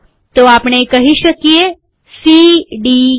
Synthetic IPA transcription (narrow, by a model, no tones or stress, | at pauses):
t̪oapɳ̃ekəɦiʃəkie | siɖi